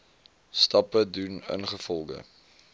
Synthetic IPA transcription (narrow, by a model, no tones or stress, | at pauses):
stɐpədunə̰nχəfɔlˠɡə̰